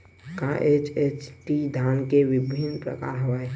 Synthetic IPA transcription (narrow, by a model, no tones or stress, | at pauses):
kãʔet͡ʃet͡ʃʈid̪ʱaːnkeʋɪbʱɪnpɾə̰ka̰ːɾɦoe